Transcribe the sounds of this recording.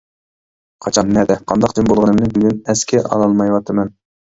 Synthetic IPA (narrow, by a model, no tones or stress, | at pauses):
qʰɑt͡ʃʰɑnːɛd̪ɛqʰɑ̰nd̪ɑq̚d̪ɪnbolˠʁɨnɨmnɪbyɡʲynɛskʲʰɛʔɑ̰lˠɑlˠmɑjwɑt̪ʰɨmɛn